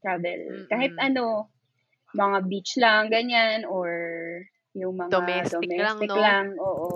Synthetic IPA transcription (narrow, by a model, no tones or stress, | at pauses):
t̪ɹavɛ̰lkaːhɪt̪̚ʔɐno̞ | mɐŋabit͡ʃlaŋɡɐɲanoɹ | jʊŋmɐŋasd̪omɛsst̪ɪklaŋʔoːʔo